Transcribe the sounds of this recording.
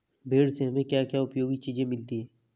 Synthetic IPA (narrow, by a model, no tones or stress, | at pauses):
bʱeːɽseɦɐmẽkjakjaʊpjoːɡit͡ʃiːd͡ʒẽmɪlt̪iɦɛː